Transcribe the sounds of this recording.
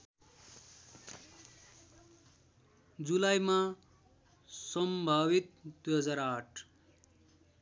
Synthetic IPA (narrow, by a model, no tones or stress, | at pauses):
d͡zulajma | sʌmbʱabit̪̚d̪uɦʌd͡zaɾaʈʰ